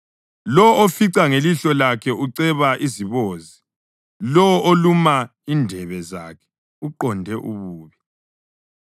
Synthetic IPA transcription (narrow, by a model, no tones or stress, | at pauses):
lɔofiǀaŋeliɬɔlakʰɛʔuǀɛβaʔiziβoːzi | lɔʔolumaindʱɛβɛzaːkʰɛ̥ | uǃɔndʱɛʔuβuːβi